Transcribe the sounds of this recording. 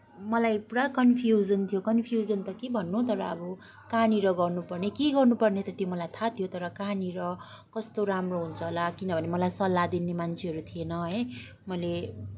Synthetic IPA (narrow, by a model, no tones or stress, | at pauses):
mʌlajpurakʌnpʰjud͡zʌnt̪ʰijokʌnpʰijud͡zʌnt̪ʌkebʱʌnːut̪ʌɾʌːbʌ | kaniɾʌɡʌrnupʌrnekeɡʌrnupʌrnet̪ʌt̪jomʌlajt̪ʰat̪ʰijot̪ʌɾʌkaniɾʌ | kʌst̪oɾamroɦunt͡sʰʌlakinʌbʱʌnemʌlajsʌlːad̪inemant͡sʰeɦʌɾut̪ʰienʌɦʌj | mʌle